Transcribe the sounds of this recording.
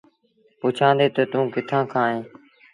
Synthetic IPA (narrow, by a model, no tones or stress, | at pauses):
pʊt͡ʃʰãːnd̪eːt̪ət̪ũːkɪt̪ʰãːkʰãːɦẽː